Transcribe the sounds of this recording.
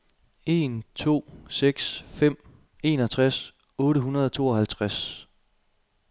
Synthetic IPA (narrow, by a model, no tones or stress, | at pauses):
e̝ːnt͡sʰo̝̰ːseɡ̥sfem̰ | e̝ːnɒt͡sʰʁas | ɔ̽ːɾəɦunɐð̞ˠɒt͡sʰo̝̰ːɒ̽hælt͡sʰʁas